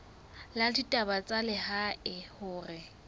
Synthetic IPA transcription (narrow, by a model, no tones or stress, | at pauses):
laditʼabat͡sʼalɪhaɪhʊːrɪ